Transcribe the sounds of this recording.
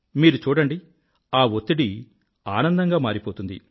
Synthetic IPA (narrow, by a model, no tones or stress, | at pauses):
miːɾut͡ʃuːɽɐɳɖi | aːʋot̪ːiɽi | aːnɐnd̪ɐŋɡaːmaːɾipoːt̪und̪ḭ